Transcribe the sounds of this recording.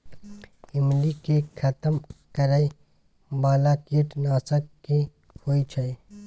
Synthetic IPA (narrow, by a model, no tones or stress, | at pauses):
ɪmlikekʰɐt̪əmkɐɾai | baːlakiːʈnaːsəkki | hoːit͡ʃʰɐi